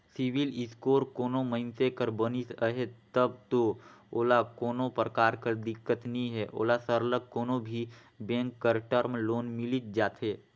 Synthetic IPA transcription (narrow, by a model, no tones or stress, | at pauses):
siwilɪskoːɾkoːnoməɪnsekəɾbənisəɦet̪əb̚t̪ooːlakoːnõpɾəkaːɾkəɾd̪ɪkːət̪nĩɦɛːʔo̰ːlasəɾləɡ̚koːnobʱi | bɛ̃ːŋkːəɾʈəɾmloːnmɪlit̪̚d͡ʒaːt̪ɦeː